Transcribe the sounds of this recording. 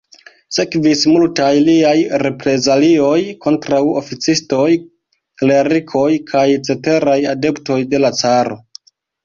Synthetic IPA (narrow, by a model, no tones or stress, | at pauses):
se̞kvismultajliajɾe̞pɾe̞zalio̞jko̞ntɾawo̰fit͡sisto̞j | le̞ɾikʰo̞jkʰajt͡se̞te̞ɾajade̞pto̞jde̞lat͡saɾo̞̰